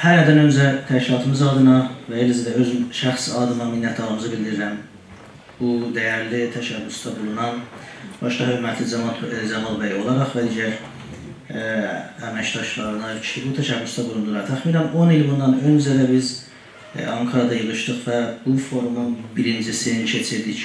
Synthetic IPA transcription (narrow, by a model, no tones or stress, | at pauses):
hæɾæɾd̪ænø̞nd͡ʒæt̪ʰæʃcilˠɑt̪ʰɯmɯzɑd̪ɯnɑvæelzid̪æøzʃæχsɑd̪ɯnɑminːæt̪ʰɑɾɯmɯzɯbild̪iɾilæn | b̥ud̪æjæɾlit̪ʰæʃæbːust̪ʰɑbulˠunɑnbɑʃd̪ɑhøɾmæt̪ʰlid͡ʒæmɑlbæjio̞lˠɑɾɑχvæd̪iːɟæɾ | æmæcd̪ɑʃlˠɑɾɯnɑt͡ʃʰbut̪ʰæʃæbːust̪ɑbulˠund̪ulˠɑɾt̪ʰæχmiːnæno̞nilbund̪ːɑnønd͡ʒæɾæbiz | ɑŋkʰɑɾɑd̪ɑjɯlɯʃd̪ɯχvæbufo̞ɾumunbiɾind͡ʒisincʰe̞t͡ʃʰiɾd̪ic